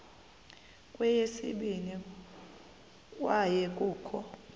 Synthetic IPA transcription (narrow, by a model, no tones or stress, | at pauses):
kʼwɛjesḭɓini | kʼwajɛkʼuːkʰɔ